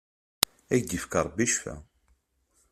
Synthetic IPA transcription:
æçd̪ifkəɾˤbiʃfæ̰

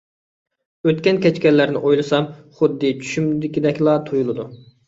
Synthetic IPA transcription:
øt̪kʲɛnkʲʰɛt͡ʃkʲɛlːæɾnɪʔojlˠɨsɑmχʊd̪ːɨt͡ʃʰy̥ʃymd̪ɪkʲid̪ɛkʲlˠɑt̪ʰojulˠɨd̪u

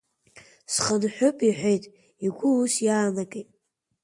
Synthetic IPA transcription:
sχənħʷᶣʊpʼiħʷᶣejtʼ | iɡʷʊusjaːnakʼejtʼ

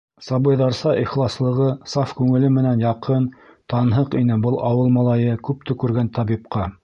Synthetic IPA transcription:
sɑβɤ̆jðɑɾsɑʔiχlˠɑslˠɤ̆ʁɤsɑfkʉŋɘ̆lɘmɘ̆nænjɑqɤnt̪ɑnɦɤqinɘbɤlˠʔɑwɤlˠmɑlˠɑjɤkʉp̚t̪ɵ̆kʉɾɡænt̪ɑβip̚qɑ

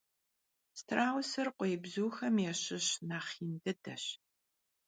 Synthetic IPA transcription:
stʰraːwsɨrqʷɔjɪbzuːxɐmjɛɕɪɕnaːχiːndɨdɐɕ

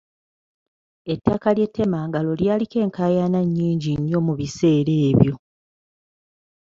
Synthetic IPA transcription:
e̞tːakalje̞tʰːe̞maːŋɡalo̞ljaːlike̞ːŋkajanaɲːiːɲɟiɲːo̞muβise̞ːɾe̞ːβjo̞

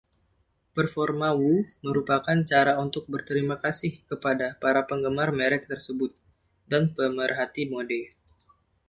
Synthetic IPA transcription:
pərfɔrmawuməɾupakant͡ʃaɾaunt̪ʊk̚bərt̪əɾimakasɪhkəpadapaɾapəŋɡəmarmɛɾɛk̚t̪ərsəbʊt̪̚ | danpəmərɦat̪imodɛ

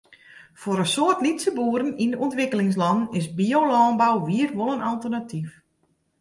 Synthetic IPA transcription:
foɾənsoːərtnlitsəbuːəɾənindəɔntʋɪkəlɪŋs̬lɑnnɪsbiolɔːnbawʋiərʋolˠənalˠtərnatʰif

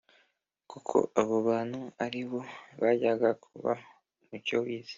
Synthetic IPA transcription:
kukʰo̞̰aβoβaːnhuaɾiβo̞βaɟaɡakʰuβa̰ | mucowiːzi̥

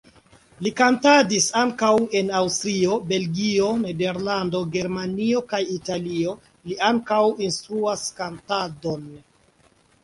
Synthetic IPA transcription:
likantadisaŋkawe̞nawstɾio̞be̞lɡio̞ne̞de̞ɾlando̞ɡe̞ɾmanio̞kajitalio̞ | liaŋkawinstɾuaskantado̞n

